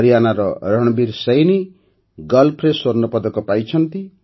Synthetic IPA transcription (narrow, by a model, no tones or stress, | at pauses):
ʌɾjanaɾɔɾʌɽ̃biɾsʌjni | ɡʌlpʰɾesornɔpʌd̪ɔkɔpajt͡ʃʰʌnt̪i